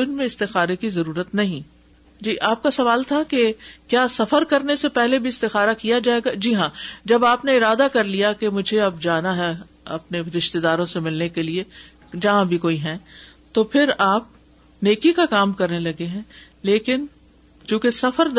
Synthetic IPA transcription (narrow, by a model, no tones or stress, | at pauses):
ɪnmẽɪst̪ɪxaːɾekizɐɾuːɾət̪nɐɦĩ | d͡ʒiːʔaːp̚kasɐʋaːlt̪ʰakekjaːsɐfəɾkɐɾnesepɛɦlebʱiɪst̪ɪxaːɾakijad͡ʒaːeːɡad͡ʒiɦãd͡ʒɐbaːpneɪɾaːd̪akɐɾlijakemʊd͡ʒʱeɐbd͡ʒaːnaɦɛ | ɐ̰pneɾɪʃt̪ed̪aːɾõsemɪlnekelie | d͡ʒɐɦãbʱikoːiɦɛ̃t̪opʰɪɾaːp̚ | neːkikakaːmkɐɾnelɐɡeɦɛ̃ː | leːkɪn | t͡ʃũːkesɐfəɾ